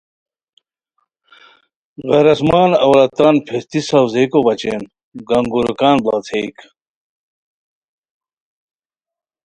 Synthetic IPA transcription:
ɣɐɾɐsmaːnɐwlɐt̪aːnpʰest̪isɐwzekobɐt͡ɕḛːn | ɡɐŋɡuɾukaːnba̰ːt͡s̪ʰeːk

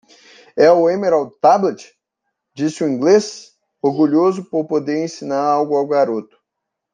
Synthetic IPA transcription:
ɛʊẽmeɾawt̪ablet͡ʃ | d͡ʒisɪʊĩŋɡles | oɾɡuʎozʊpoɾpod̪eɾẽsinaɾawɡʊawɡɡaɾot̪ʊ̥

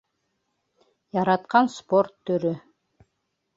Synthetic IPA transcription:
jɑɾɑt̪̚qɑnspo̞rt̪ʰːɵɾy

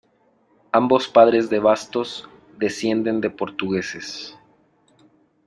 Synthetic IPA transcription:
ambo̞spaðɾe̞zðeβast̪o̞z | d̪e̞sje̞nd̪e̞nd̪e̞po̞ɾt̪uɣe̞se̞s

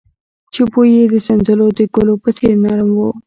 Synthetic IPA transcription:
t͡ʃepojed̪əsanzəlod̪əɡolopət̪enɑɾmwo

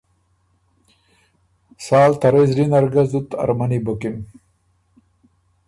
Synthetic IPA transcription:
sɑːlt̪aɾezɾinaɾɡazut̪a̰ɾmanibokim

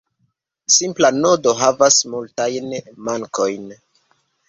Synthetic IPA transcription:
simplano̞do̞ɦavasmultajnmaŋko̞jn

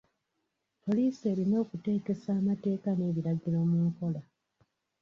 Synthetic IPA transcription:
po̞liːse̞ːɾino̞ːkute̞ːke̞saːmate̞ːkane̞βiɾaɡiɾo̞muːŋko̞la

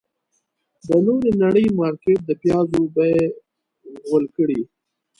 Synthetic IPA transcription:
d̪ənoɾenaɽəjmɑɾkeʈ̚d̪əpjɑzobaje | ɣəlkəɽi

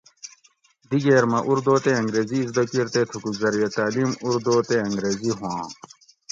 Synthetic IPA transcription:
d̪iɡeːɾmɐʔuɾd̪oːt̪eɐ̃ŋɡɾeːziːzd̪ɐkiɾt̪et̪ʰukuzɐɾjɐt̪aːlimuɾd̪oːt̪eɐŋɡɾeːziɦũãː

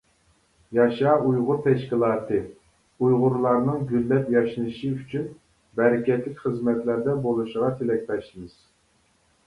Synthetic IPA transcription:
jɑʃɑːujʁʊɾt̪ʰɛʃkʲilˠɑːt̪ʰɨ | ujʁʊɾlˠɑɾnɨŋɡʲylːɛpjɑʃinɨʃiyt͡ʃʰyn | bɛɾɪkʲɛt̪lɪkʲχəzmɛt̪læɾd̪ɛbolˠuʃəʁɑt̪ʰelɛkʲt̪ɛʃlɪmɨz̥

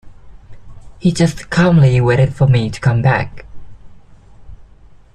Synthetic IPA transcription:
hid͡ʒʌstkʰɑ̃mliweɪɾɨd̥fəmitʰə̥kʰʌ̃mbæ̰k

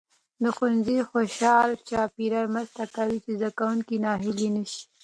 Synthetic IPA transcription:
d̪əxʊnzixoʃɑlt͡ʃɑpiɾaɾmɾəzt̪akawit͡ʃezd̪akawuŋkinɑɦɪlinəʃi̥

